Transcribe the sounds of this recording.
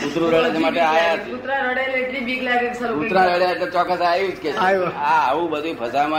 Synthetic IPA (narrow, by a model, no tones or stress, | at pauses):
ut̪ɾũɾəɽed͡ʒemaʈeajaut̪ɾãɾəɽeleʈɾibiɡlaɡeksəɾut̪ɾãɾəɽjaeʈlet͡ʃɔkːəsajut͡ʃket͡ʃaaəʋũbəd̪ʱupʰəsamã